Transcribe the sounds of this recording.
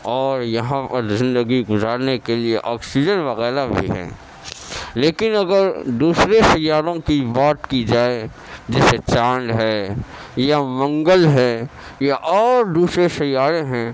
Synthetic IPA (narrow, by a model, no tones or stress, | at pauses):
ɔːɾjɐɦãpɐɾzɪ̃nd̪əɡiɡʊzaːɾnekelieʔɔːksid͡ʒənʋɐɣɛːɾabʱḭɦɛ̰̃ː | leːkɪnɐɡəɾd̪uːsɾeʃɐjːaːɾõkibaːt̪kid͡ʒaːe | d͡ʒɛːset͡ʃãːɳɖɦɛːjamɐ̃ŋɡəlɦɛːjaʔɔːɾd̪uːsɾeʃɐjːaːɾẽɦɛ̃